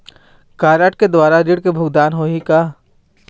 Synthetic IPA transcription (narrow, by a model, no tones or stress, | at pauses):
kaːɾəʈked̪waːɾaɾɪɽkebʱʊɡd̪aːnɦoːɦika